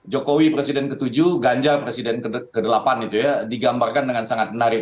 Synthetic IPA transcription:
d͡ʒokowipɾesidɛnkət̪ud͡ʒuɡaɲd͡ʒapɾesidɛnkəkədəlapanit̪ujadiɡambarkandəŋansaŋat̪̚ənaɾi

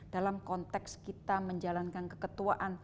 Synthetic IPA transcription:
d̥alamkɔnt̪ɛkskit̪aməɲd͡ʒalankankəkət̪uaʔan

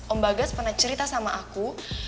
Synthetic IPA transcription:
məmbaɡaspərnat͡ʃəɾit̪asamaʔaku

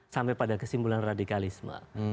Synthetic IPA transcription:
sampajpadakəsimbulanradikalisma̰

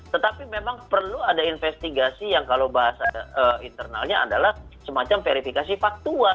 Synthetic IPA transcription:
t̪ət̪apimemaŋpərluadainfɛst̪iɡasijaŋkalobaɦasaəint̪ərna̰lɲaa̰dalahsəmat͡ʃamfeɾifikasifak̚t̪ua

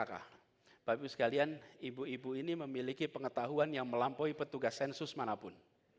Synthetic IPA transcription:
aka̰ | b̥abusə̥kalianibuibuiniməmilikipəŋət̪aɦuanjaŋməlampoipət̪uɡasɛnsʊsmanapʊn

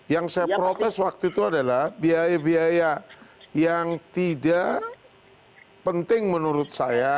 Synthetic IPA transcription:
jaŋsajapɾot̪ɛswak̚t̪uit̪uadalahbiajabiajajaŋt̪idaʔ | pənt̪ɪŋmənuɾʊt̪̚saja

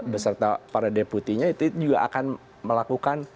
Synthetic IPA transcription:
bəsərt̪apaɾadeput̪iɲait̪ud͡ʒuɡaʔa̰kan | məlakukan

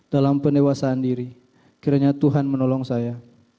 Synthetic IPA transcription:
d̥alampəndewasaːndiɾi | kiɾaɲat̪uɦanmənɔlɔŋsaja

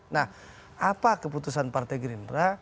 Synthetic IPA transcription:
nah | apakəput̪usanpart̪ajɡɾinra

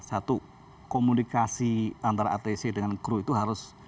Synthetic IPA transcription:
sat̪u | komunikasiant̪aɾa̰at̪esedəŋanɡɾuit̪uɦaɾʊs

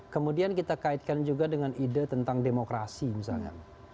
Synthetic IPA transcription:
kəmudiankit̪akait̪̚kand͡ʒuɡadəŋanidat̪ənt̪aŋdemokɾasimisalɲa̰

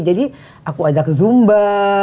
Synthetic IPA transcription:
d͡ʒadi | akuazakzumba

